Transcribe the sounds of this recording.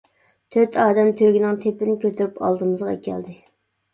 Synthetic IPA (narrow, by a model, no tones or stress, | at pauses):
t̪ʰøt̪ʰɑːd̪ɛmt̪ʰøɡʲinɪŋt̪ʰepɪnɪkʲøt̪ʰyɾypʰɑ̰lˠd̪ɨmɨzʁɑ̰kʲʰɛ̰ld̪ɪ